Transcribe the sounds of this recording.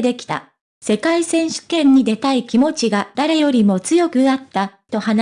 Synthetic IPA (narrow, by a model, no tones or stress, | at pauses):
d̪e̞kʲi̥t̪a̰ | se̞kaisẽ̞ɰ̃ɕɨ̥kẽ̞ɲ̟ːid̪e̞t̪aikʲimo̞t͡ɕiɡad̪̥aɾe̞jo̞ɾʲimo̞t͡sɨjo̞kɯ̟d̪at̪ːat̪o̞han